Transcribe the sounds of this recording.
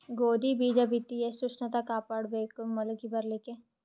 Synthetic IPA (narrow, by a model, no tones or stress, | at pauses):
ɡoːd̪ibiːd͡ʒabit̪iesʊt͡ʃnɐt̪akaːpɐɽbeːkmʊlkibɐɾleke